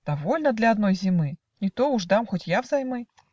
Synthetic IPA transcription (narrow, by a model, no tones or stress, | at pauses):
d̪̥ɐvolʲnəd̪lʲɐɐd̪no̞jzʲɪmɨ | nʲɪt̪oʊʐd̪amxotʲjavzɐjmɨ